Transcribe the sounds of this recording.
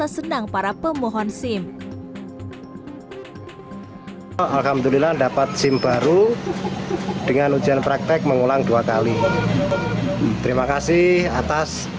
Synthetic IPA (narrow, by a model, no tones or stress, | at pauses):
asənaŋpaɾapəmoɦɔnsɪm | alɦamd̪ulilaɳdapat̪̚sɪmb̥a̤ɾu | d̥əŋanudd͡ʒianpɾak̚t̪ɛk̚məŋulaŋd̥uakali | t̪əɾimakasɪhat̪as